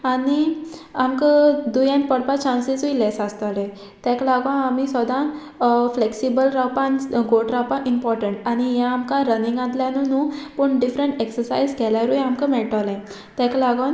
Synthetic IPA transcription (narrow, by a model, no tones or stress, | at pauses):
aniamkəd̪ujãnpəɽpat͡ɕãnsisuilɛsast̪alɛ̃ | t̪ɛklaɡãamisɔd̪ã | fleksibəlɾawpãnɡoʈɾawpãʔimpɔɾʈəɳʈañijãːmkaɾənĩŋɡãt̪ljãnunũpəɳɖifɾəɳʈeksəɾsaizkɛlaɾujamkəmɛɭʈalɛ̃ | t̪ɛ̃klaɡan